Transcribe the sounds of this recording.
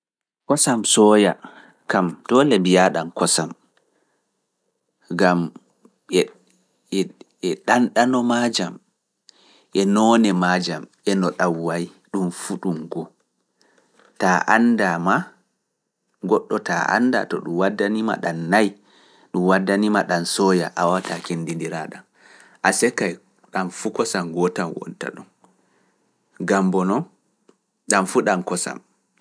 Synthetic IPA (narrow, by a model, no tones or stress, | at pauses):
kɔsamsɔːja̰ | kamtɔlɛmbijaɗankɔsam | ɡam | ɛ | ɛɗanɗanɔmad͡ʒam | ʔɛnɔːnɛmad͡ʒamʔɛnɔɗawːaj | ɗumfuɗumɡɔ | taʔandama | ɡɔɗːɔta̰ʔa̰nda̰tɔɗumwadːanima̰ɗanːaj | ɗumwadːanimaɗansɔjaʔawatakendindiɾa̰ɗan | ʔasɛkːaj | ɗanfukɔsamɡɔtanwɔ̰nta̰ɗun | ɡambɔnɔ | ɗamfuɗankɔsa̰m